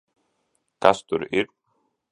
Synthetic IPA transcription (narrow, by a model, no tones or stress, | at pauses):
kʰast̪ʏɾɪɾ